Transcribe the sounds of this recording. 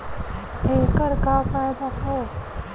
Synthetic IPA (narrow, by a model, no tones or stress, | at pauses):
ekəɾkapajd̪aɦo